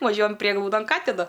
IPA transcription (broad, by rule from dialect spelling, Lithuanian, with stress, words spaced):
ʋɐˈʒʲuɔjɛm ˈpʲrʲiɛɡlˠɐʊdoːn ˈkɑːtʲɪnɐ